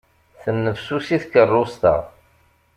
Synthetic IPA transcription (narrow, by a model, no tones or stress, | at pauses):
θənːəvsusiθkərˤːʊst̪ə̰ʁ